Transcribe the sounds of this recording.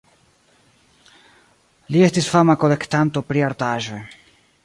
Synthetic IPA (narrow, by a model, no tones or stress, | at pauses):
lie̞stisfamakole̞ktant̪o̞pɾiaɾt̪aʒe̞